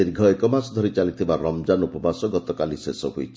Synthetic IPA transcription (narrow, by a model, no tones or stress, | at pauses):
iɾɡʱɔekɔmasɔd̪ʱɔɾit͡ʃalit̪ʰibaɾɔmd͡ʒanupɔbasɔɡɔt̪ɔkalisesɔɦuit͡ʃʰi